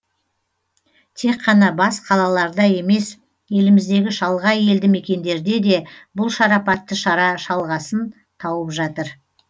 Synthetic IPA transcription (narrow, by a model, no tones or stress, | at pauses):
t̪ʰe̞kqːɑnɑbɑsqʰɑlˠɑlˠɑɾd̪ɑje̞me̞s | je̞lɪmɪzd̪e̞ɡʲɪʃɑlˠʁɑje̞ld̪ɪme̞kʲe̞nd̪e̞ɾd̪e̞d̪e̞bʊlˠʃɑɾɑpɑt̪ːəʃɑɾɑʃɑlˠʁɑsən | t̪ʰɑwəpʒɑt̪əɾ